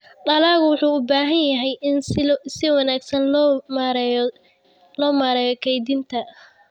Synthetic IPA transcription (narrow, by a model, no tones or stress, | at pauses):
ɖɐlaːɣwʊħuːʊbaːɦɐnjɐɦɛjɪnsɪwɑnaːɡsɐnmɾj | lɔːmaːɾɛːjɔkʰɛjd̪int̪ʰɐ